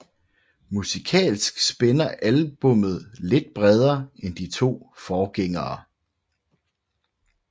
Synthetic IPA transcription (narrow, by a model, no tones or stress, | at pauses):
musikʰɛ̰ːlsɡ̥sb̥enɐʔælb̥ɔ̽m̰ð̩ˠle̝d̥̚b̥ʁɛð̞ˠɐːend̥it͡sʰo̝̰ːfɒːɡ̥eŋɐː